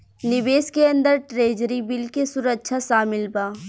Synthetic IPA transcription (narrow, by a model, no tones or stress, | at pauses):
nɪbeːskeɐ̃nd̪əɾʈɾeːd͡ʒɾibɪlkesʊɾəkʃʰaʃaːmɪlbaː